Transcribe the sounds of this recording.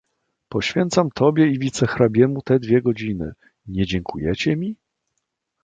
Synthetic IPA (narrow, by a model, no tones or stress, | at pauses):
pɔɕfʲjɛnt̪samt̪ʰɔbʲjɛivʲit̪sɛxɾabʲjɛmut̪ɛd̪vʲjɛɡɔd͡ʑinɘ̰ | ɲɛd͡ʑɛŋkʰujɛt͡ɕɛmʲi